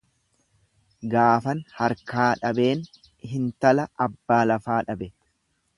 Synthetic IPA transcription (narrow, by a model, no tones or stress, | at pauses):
ɡaːfɐnhɐɾkaːᶑɐbe̞ːn | ɦɪnt̪ɐlɐɐbːaːlɐfaːᶑɐbɛ